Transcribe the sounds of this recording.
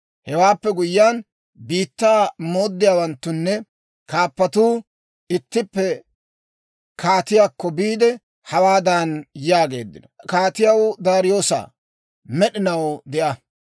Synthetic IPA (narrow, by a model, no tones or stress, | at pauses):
hɛwaːpːɛɡʊjːaːn | biːt̪ːaːmo̞ːd̪ːɪjaːwɐnt̪ːʊnːɛ | kaːpːɐt̪uː | ɪt̪ːɪpːɛ | kaːt̪ɪjaːkːɔbiːd̪ɛ | hɐwaːd̪aːnjaːɡe̞ːd̪ːɪnɔkaːt̪ɪjɐwd̪aːɾɪjo̞ːsa̰ | mɛɗɪnɐwd̪ɛʔɐ